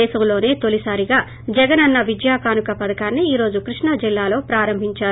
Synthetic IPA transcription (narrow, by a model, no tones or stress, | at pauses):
ɛːsɐmlo̞ːne̞ːt̪olisaːɾiɡaː | d͡ʒɛɡɐnɐnːɐʋid͡ʒjaːkaːnukɐpɐd̪ɐkaːnːiiːɾo̞ːd͡ʒukɾiʂɳɐd͡ʒilːaːlo̞ːpɾaːɾɐmbʱiɲt͡ʃaːɾ